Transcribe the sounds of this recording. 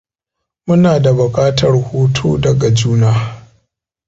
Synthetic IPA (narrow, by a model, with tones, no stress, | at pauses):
mʊ˦naː˨da˨bʊ˨kʼaː˦tɐ˨rhuː˦tʰoː˦dɐ˨ɡa˨d͡ʒuː˦naː˦˨